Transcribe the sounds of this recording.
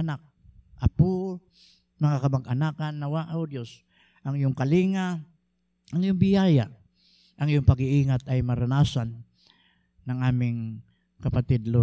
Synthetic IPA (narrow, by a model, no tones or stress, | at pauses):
ʔɐnak̚ | ʔapo | mɐŋakɐmɐɡʔɐnaːkanːɐwaʔawd̪jos | ʔɐŋjʊŋkɐliːŋa | ʔaŋjʊŋbɪjaːja | ʔɐŋɪjʊŋpɐɡɪʔiːŋat̪ɐjmɐɾanaːsanː | ɐŋʔaːmɪŋ | kɐpat̪ɪd̪lo